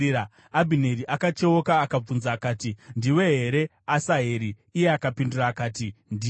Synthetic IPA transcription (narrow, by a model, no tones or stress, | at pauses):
a | abʱine̞ɾiʔakat͡ʃe̞wokaːkab͡vunzaːkaːtindiwe̞ɦe̞ɾe̞ | asaɦe̞ɾiːjeakapinduraːkaːtindi